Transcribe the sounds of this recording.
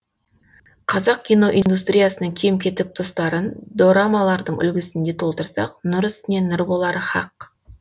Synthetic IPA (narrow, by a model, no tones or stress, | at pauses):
qʰɑzɑq̚kʲijno̞ʔind̪ust̪rʲijasənəɴkʲʰe̞mkʲʰe̞t̪ɪk̚d̪o̞st̪ɑɾənd̪oɾamɑlˠɑɾd̪əɴʏ̰lɡʲɪsɪnd̪e̞t̪ʰo̞lˠt̪əɾsɑ̰qnʊɾsne̞nɪɾbo̞lˠɑɾəχɑq